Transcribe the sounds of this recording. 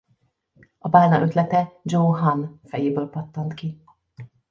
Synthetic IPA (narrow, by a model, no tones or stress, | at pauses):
ɒbaːlnɒʔø̞t̪lɛt̪ɛd͡ʒoːɦɒnfɛjeːbøːlpɒt̪ːont̪ki